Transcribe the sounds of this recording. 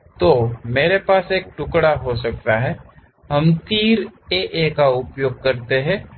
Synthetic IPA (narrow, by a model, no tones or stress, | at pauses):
t̪oːmeːɾepaːseːk̚ʈʊkɽaɦos̬ɐk̚t̪aɦɛː | ɦɐmt̪iːɾeʔekaʊpjoːɡ̚kɐɾt̪eɦɛ̃ː